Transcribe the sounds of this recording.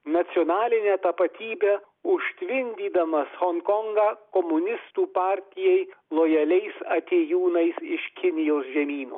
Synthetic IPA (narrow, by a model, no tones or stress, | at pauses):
nɐt̪sʲɪɔːnɑːlʲɪnʲɛːt̪ɐpɐt̪ʲiːbʲe | ʊʃʲt̪ʲʋʲɪnʲd̪ʲiːd̪ɐmɐshɔŋkɔŋɡɑːkɔmʊnʲɪst̪uːpɑːɾʲt̪ʲɪjɛɪlˠojɐlʲɛɪsɐt̪ʲeːjuːnɐɪsɪʃkʲɪnʲɪjoːsʒʲɛmʲiːno̰ː